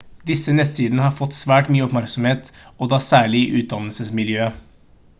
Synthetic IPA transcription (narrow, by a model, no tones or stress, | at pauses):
d̪ɪsːənɛst̪ʰiːd̪nəhɑɾfɔt̪ːsʋæːʈmyːəɔpmæɾksɔmheːt̪ɔd̪ɑːsæːɭɪʔʉːt̪̚d̪ɑnəlsəsmɪljøː